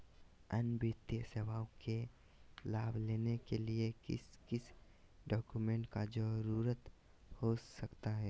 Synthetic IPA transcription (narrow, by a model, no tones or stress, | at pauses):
ənbɪt̪jəseʋaːõkʰe | laːbʱleːnekelieɪskɪs | ɖɔːkumẽːɳʈkad͡ʒəɾuːɾət̪ | hosəkt̪aɦɛː